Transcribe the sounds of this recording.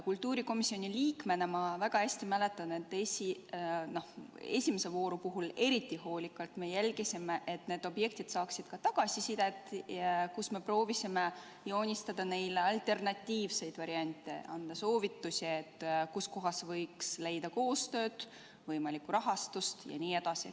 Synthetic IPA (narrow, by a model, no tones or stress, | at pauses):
kult̪ːˑuːɾiko̞misːio̞nʲiliːkmenemɑvæɡ̥ɑhæsʲt̪imæle̞t̪ːˑɑne̞t̪ːˑesʲino̞he̞̰sʲime̞sevo̞ːɾupuɦule̞ɾit̪ˑːiho̞ːlʲikːˑɑlt̪me̞jælʲɡisimeʔet̪ne̞ːd̪̥o̞bje̞k̚t̪id̪̥sɑːksid̪̥kɑt̪ɑɡ̥ɑsisid̪̥et̪ːkusme̞pro̞ːvisime | jo̞ːnʲist̪ɑd̪̥ɑne̞jleɑlt̪ːe̞rnɑt̪ʲːiːvse̞jd̪̥vɑɾiɑnʲt̪ːˑe̞̰ɑnd̪̥ɑso̞ːvit̪ːusʲiet̪ːkusko̞ɦɑsvɤjksle̞jd̪̥ɑko̞ːst̪ø̞ːd̪̥ | vɤjmɑlikːuɾɑɦɑst̪ust̪jɑ̰niːe̞d̪̥ɑsi